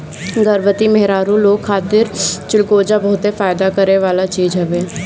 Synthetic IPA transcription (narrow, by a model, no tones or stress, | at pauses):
ɡəɾʋət̪imɛɦɾaːɾũloːɡʰaːt̪ɪɾt͡ʃɪlkoːd͡ʒabɐɦʊt̪efaːjɪd̪akəɾeʋaːlat͡ʃiːd͡ʒɦɛʋeː